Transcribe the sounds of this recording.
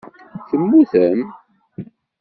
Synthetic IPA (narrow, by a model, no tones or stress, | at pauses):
θəmːuθəm